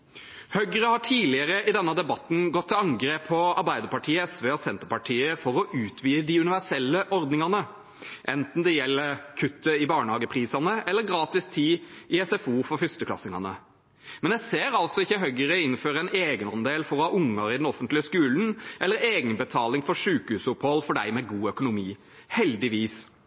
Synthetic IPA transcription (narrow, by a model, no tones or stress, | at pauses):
hœɡəɾəhɑːʈʰiːlɪəɾəɪd̪ɛnːəd̪ɛbɑt̪n̩ɡɔt̪ʰːɪlɑŋɡɾeːpʰːɔɑɾbæɪd̪əɾpɑʈʰiːəɛsʋeːɔsɛnt̪əpɑʈʰiːəfɔɾɔʔʉːt̪ʰʋiːd̪əd̪ɪʉnɪʋæsɛlːəʔɔɾd̪nɪŋɑnə | ʔɛnt̪n̩d̪ɛjɛlːəɾkʰʉt̪ːəɪbɑːɳəhɑːɡəpʰɾiːsɑnəɛlːəɾɡɾɑːt̪ɪst̪ʰɪːɪɛsɛfuːfɔfʏst̪əkʰlɑ̰sːɪŋɑnə | mɛnjæɪseːɾɑlt̪sɔɪçːəɦœɡəɾəɪnføːɾəɛneːɡənɔmd̪eːlfɔɾɔhɑːʔʊŋːəɾɪd̪ɛnɔfənt̪lɪəskʉːln̩ʔɛlːəɾeːɡənbət̪ʰɑːlɪŋfɔʂʉːkhʉːsʊphɔlfɔɖæɪmɛɡuːœkʊnʊmiː | hɛld̪ɪʋiːs